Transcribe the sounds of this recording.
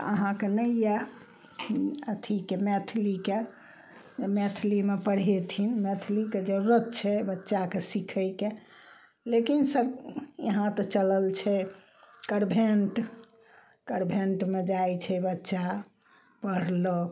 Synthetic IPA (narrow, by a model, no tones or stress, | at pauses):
ə̰ɦãkenəija | ət̪ʰikemɛt̪ʰlike | met̪ʰlimepəɽ̤et̪ʰinmet̪ʰliked͡ʒəɾuɾət̪̚t͡ʃʰɛbətːʃakesikʰəjke | lekinsəɾjəɦãt̪ɔt͡ʃələlt͡ʃʰɛ | kəɾbʱeɳʈ | kəɾbʱeɳʈmed͡ʒajt͡ʃʰɛbətːʃa | pəɽ̤lo